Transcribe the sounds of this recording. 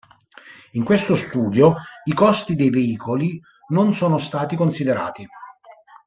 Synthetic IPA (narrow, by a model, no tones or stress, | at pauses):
iŋkwest̪ost̪uːd̪joikɔst̪id̪ejveiːkoli | nonsoːnost̪aːt̪ikonsid̪eɾa̰ːt̪i